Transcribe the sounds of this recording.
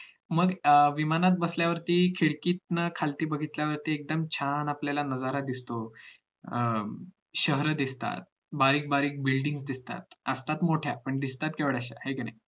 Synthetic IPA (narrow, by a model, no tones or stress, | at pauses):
məɡʋimanat̪̚bəsljaʋəɾt̪iːkʰiɭkiːt̪̚nəkʰalt̪iːbəɡʱit̪ljaʋəɾt̪iːek̚d̪əmt͡ɕʰanapljalanəd͡zaɾad̪ist̪o | ɕəɦɾəd̪ist̪a̰t̪̚ | baɾiːk̚baɾiːk̚bilɖiŋɡsd̪ist̪a̰t̪̚əst̪at̪moʈʰjapəɳd̪ist̪at̪keʋəɽaɕa̰hekina̰j